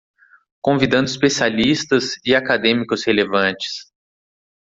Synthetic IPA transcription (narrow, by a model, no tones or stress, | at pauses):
kõvid̪ɐ̃nd̪ʊispesialist̪ɐzɪakad̪ẽmikʊshelevɐ̃t͡ʃɪ̥s